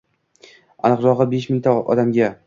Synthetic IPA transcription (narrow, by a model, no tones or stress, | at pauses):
a̰nɨqɾɒʁɨbeʃmɪŋʲt̪ʰaʔɒ̰d̪amɡʲa